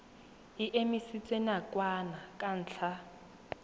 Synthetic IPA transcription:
iʔemisit͡sʼwenakʼwanakʼan̩ːt͡ɬʰa

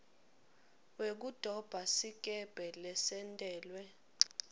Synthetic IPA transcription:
wek̬ud̥ʱɔb̥ʱasik̬ʼɛb̥ʱɛlɛsɛntʼɛːlwɛ

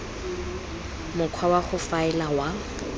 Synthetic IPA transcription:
mʊkʰwawaχʊfaɪlawa

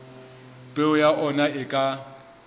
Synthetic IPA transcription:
pʼeʊjaʔɔnaɪkʼa

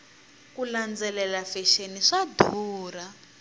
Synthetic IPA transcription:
kuland͡zɛlɛlafɛʃeniʂadʱuːra

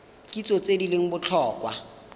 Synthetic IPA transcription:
kʼit͡sʼot͡sʼedileŋ̩bʊt͡ɬʰɔːkʼwa̰

